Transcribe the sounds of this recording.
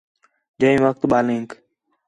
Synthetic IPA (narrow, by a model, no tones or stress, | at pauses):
d͡ʒəĩːʋək̚t̪ɓaːlĩːŋk